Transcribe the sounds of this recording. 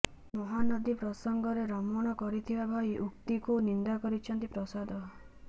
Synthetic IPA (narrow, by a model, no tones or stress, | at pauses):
mɔɦanɔd̪ipɾɔsɔŋɡɔɾeɾɔmɔɽ̃ɔkɔɾit̪ʰibabʱaiʔukt̪ikunind̪akɔɾit͡ʃʰɔnt̪ipɾɔsad̪ʱɔ